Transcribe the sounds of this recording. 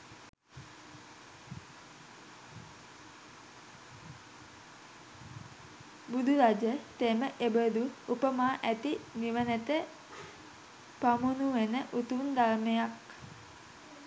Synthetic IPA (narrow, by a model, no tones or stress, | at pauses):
bud̪ʱuɾad͡ʒət̪eməʔebəd̪uupəmaːʔæt̪iniʋənæt̪ə | pamunuʋenəʔut̪und̪aɾmejak